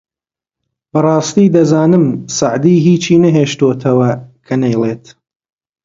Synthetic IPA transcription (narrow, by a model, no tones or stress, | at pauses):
bɐrˤɑːst̪iːd̪ɐzaːnɨmsaʕd̪iːɦiːt͡ʃiːnɐɦeːʃt̪oːt̪ʰɐwɐkʰɐnɐjlˠeːt̪